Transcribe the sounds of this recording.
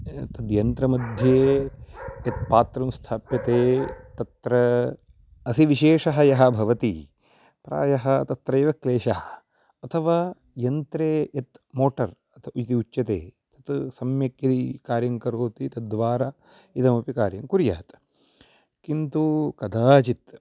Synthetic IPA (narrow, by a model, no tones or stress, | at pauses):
t̪ɐd̪jɐnt̪ɾɐmɐd̪ʱjeː | ɐt̪paːt̪ɾɐmst̪ʰaːpjɐt̪eːt̪ɐt̪ɾɐ | ɐsiʋiʃeːʂɐɦɐjɐɦɐ̆bʱɐʋɐt̪ḭ | pɾa̰ːjɐɦɐ̆t̪ɐt̪ɾɐjʋɐkleːʃɐɦɐ | ɐt̪ʰɐʋaː | jɐnt̪ɾeːjɐt̪moːʈɐɾ | ɐt̪ʰɐut͡ʃit̪iut͡ʃːɐt̪ḛːt̪ɐ̥t̪sɐmjɐkjɐd̪ikaːɾjɐŋkɐɾoːt̪it̪ɐd̪ʋaːɾa | id̪ɐmɐpikaːɾjɐŋkuɾja̰ːt̪ | kint̪ukɐd̪aːt͡ʃit̪